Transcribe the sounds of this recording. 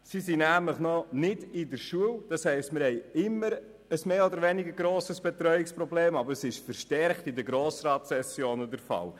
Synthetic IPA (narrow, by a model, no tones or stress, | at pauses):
sisinæːmləχnɔnɪdɪdəɾʃuəwd̥ɑshɛɪstmɪɾhɛɪɪmːəɾ | əsmeːɔdəɾvɛnɪɡəɡɾoːsəsb̥ɛt̪ɾœʏɪkspɾɔbleːmɑbəɾəsɪʃfəɾʃtɛɾχtɪdəɡɾoːsɾɑːtsɛsjoːnədəɾfɑ̰l